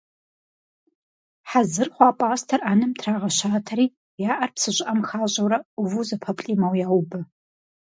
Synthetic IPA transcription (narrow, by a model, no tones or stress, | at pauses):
ħazɨrχʷaːpʼaːstʰɐraːnɨmtʰraːʁɐɕaːtʰɐɾiː | jaːʔɐrpsɨɕʷʼʔɐmxaːɕʼɐwɾɐʊvuzɐpʰɐpʼɬʼiːmɐwjaːwbɨ